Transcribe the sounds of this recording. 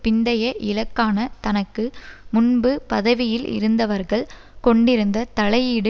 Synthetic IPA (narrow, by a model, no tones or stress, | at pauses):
pɪnd̪ɐjɐʔɪlɐkːaːnɐt̪ɐnɐkːɯmʊnbɯpɐðɐʋɪjɪlʔɪ̰ɾɯnd̪ɐʋɐɾɣɐɭ | kɔɳɖɪɾɯnd̪ɐt̪ɐɭɐjiːɽɯ